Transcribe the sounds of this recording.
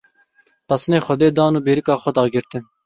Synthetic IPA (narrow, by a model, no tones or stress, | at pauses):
pɐsɨneːxʷɐd̪eːd̪ɑːnuːbeːɾɨkɑːxʷɔd̪ɑːɡɪɾt̪ɨn